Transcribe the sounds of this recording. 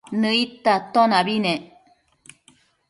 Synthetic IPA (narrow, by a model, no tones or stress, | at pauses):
nɨit̪at̪onaβine